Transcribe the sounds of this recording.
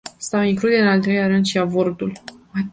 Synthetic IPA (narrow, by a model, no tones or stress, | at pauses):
st̪aiŋklud̪eɨnalt̪ɾelʲaɾɨnd̪ʃiavo̞rd̪ula